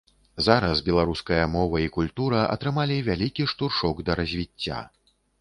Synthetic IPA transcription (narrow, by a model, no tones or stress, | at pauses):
zaɾɐsbʲɛlˠaɾuskɐjɐmɔvɐikulʲt̪uɾɐʔɐ̰t̪ɾɨmalʲivʲalʲikʲiʂt̪urʂɔɡd̪ɐɾɐzʲvʲit͡sʲːa̰